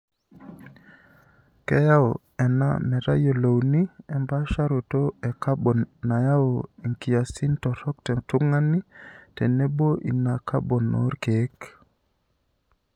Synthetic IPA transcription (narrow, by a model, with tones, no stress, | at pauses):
kɛ˦ja˦wo˨ | ɛ˨na̰˦mɛ˨ɾa̰˦jo˨lo˨wni˦ɛ˨mba˦ʃa˦ɾo˨to˦e˨ka˦ɓo˨nːa˨ja˦wo˨i˨ŋki˨ja˨si˦ntɔ˨ɾɔ˦k̚te˨tu˦ŋa˦ni˦te˨ne˦bo˦ʔi˨na˨ka˦bo˨no̰˦ɾke˨˦k